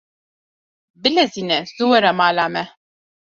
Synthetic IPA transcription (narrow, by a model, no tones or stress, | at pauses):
bɪlɛzinɛzuwɛɾamaːlaːmɛ